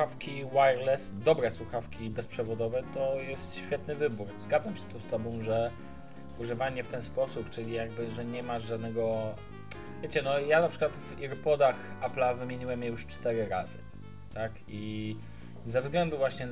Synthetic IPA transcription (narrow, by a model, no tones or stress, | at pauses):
afkʲiwajɾlɛsd̪ɔbɾɛswuxafkʲibɛspʂɛvɔd̪ɔvɛt̪ɔjɛst̪ɕfʲjɛt̪nɘvɘbuɾzɡad̪zamɕɛ̥t̪ɔst̪ɔbɔ̃w̃ʐɛ | uʐɘvaɲɛft̪ɛnspɔsupt͡ʂɘlʲijaɡbɘʐɛɲɛmaʐad̪nɛɡɔ | vʲjet͡ɕɛnɔjanapʂɘ̥kwat̪viɾpɔd̪axaplavɘmʲjeɲiwɛmjɛjuʂt͡ʂt̪ɛɾɘɾazɘ̰ | t̪ak | i | zɛvzɡlɛnd̪uvwaɕɲɛ